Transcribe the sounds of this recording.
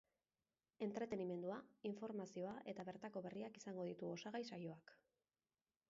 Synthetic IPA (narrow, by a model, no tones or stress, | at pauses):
e̞nt̪ɾe̞t̪e̞nime̞nd̪uaiɱfo̞ɾmasio̞aʔe̞t̪aβe̞ɾt̪ako̞βe̞riakisaŋɡo̞ðit̪uo̞saɣajsajo̞ak